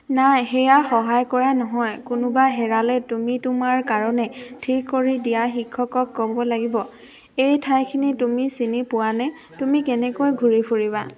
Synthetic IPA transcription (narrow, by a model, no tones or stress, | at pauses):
najxɛjaxɔɦajkɔɹanɔɦɔjkʊnʊbaɦɛɹalɛtumitumaɹkaɹɔnɛtʰikːoɹidijaxikʰːɔkɔkːɔbɔlaɡibɔ | ejtʰajkʰinitumisinipʊwanɛ | tumikɛnɛkojɡʱuɹipʰuɹiβa̰